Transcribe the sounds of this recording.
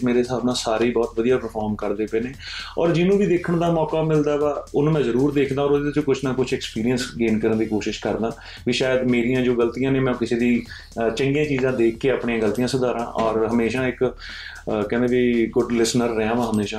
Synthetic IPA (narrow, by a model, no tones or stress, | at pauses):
meːɾeːsaːbnãːsaːɾeiːbɔːt̪ʋəd̪ijaːpəɾpʰɔːɾmkəɾd̪eːpɛ̃ːneːɔ̰ːɾd͡ʒɪnũːʋiːd̪eːkʰəɳd̪aːmɔːkaːmɪld̪aːʋaːʊnũmɛ̃ːzəɾuːɾd̪eːkʰd̪aːɔːɾʊd̪eːd̪t͡ʃõːkʊt͡ʃʰnaːkʊt͡ʃʰɛːkspiːɾijənsɡeːnkəɾənd̪iːkoːʃɪʃkəɾd̪ãː | ʋiːʃaːjəd̪meːɾijãːd͡ʒoːɡəlt̪ijãːnẽːmɛ̃ːkɪseːd̪iː | t͡ʃə̃ŋɡijãːt͡ʃiːzãːd̪eːkʰːeːaːpɳiːãːɡəlt̪ijãːsəd̪aːɾã̰ːʔɔːɾɦəmeːʃãːɪk | kɛ̃ːnd̪eːʋiːɡʊɖlɪsnəɾːeãːʋãːɦəmeːʃãː